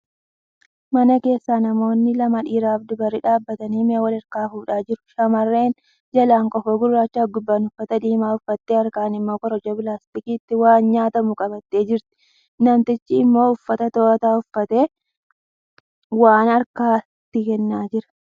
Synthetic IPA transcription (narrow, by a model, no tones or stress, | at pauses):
mɐnɐke̞ːsːaːnɐmo̞ːnːɪlɐmɐᶑiːɾaːbd̪ʊbɐrːɪᶑaːbːɐt̪ɐniːmeːwɐlɪɾkaːfuːᶑaːd͡ʒɪɾʊʃɐmɐrːe̞ːn | d͡ʒɐlaːŋkʼɔfɔɡʊrːaːt͡ʃːaːɡʊbːɐnʊfːɐt̪ɐd̪iːmaːʊfːɐt̪ːeːɐɾkaːnɪmːo̞ːkɔɾɔd͡ʒɐbɪlaːst̪ɪkit̪ːɪwaːnɲaːt̪ɐmʊkʼɐbɐt̪ːe̞ːd͡ʒɪɾt̪ɪ̥ | nɐmt̪ɪt͡ʃːɪːmːo̞ːʊfːɐt̪ɐt̪ɔːʔɐt̪aːʊfːɐt̪e̞ː | waːnɐɾkaː | t̪ːɪkɛnːaːd͡ʒɪɾɐ̥